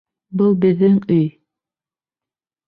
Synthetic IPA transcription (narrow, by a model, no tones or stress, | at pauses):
bɤlˠbɘ̆ðːɘŋɵj